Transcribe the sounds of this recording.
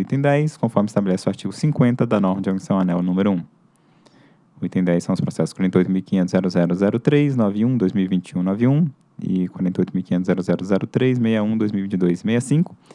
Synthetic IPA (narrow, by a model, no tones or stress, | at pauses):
ujt̪ẽd̪ɛjskõfɔɾmɪist̪abelɛsɪʊaɾt͡ʃiɡʊsĩkwẽnt̪ɐd̪ɐnɔɾmɐd͡ʒɪɐnisɐ̃w̃anɛwnũmeɾʊũ | ujt̪ẽd̪ɛjsːɐ̃w̃ʊspɾɔsɛsʊ̥skwaɾẽt̪ejojt̪ʊmiwkĩɲẽnʊzɛɾʊzɛɾʊzɛɾʊt̪ɾejznɔviũd̪ojzmiwivĩnt͡ʃɪũnɔviũ | ɪ̰kwaɾẽeojt̪ʊmiwkiɲẽnt̪ʊzɛɾʊzɛɾʊzɛɾʊt̪ɾejzmejɐũd̪ojzmiwivĩt͡ʃɪd̪ojzmejɐsĩkʊ̥